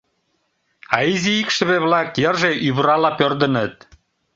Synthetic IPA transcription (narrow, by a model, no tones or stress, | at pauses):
ɑiziikʃə̆βeβlɑkjərʒeʔyβɾɑlɑpørd̪ə̆nə̆t̪̚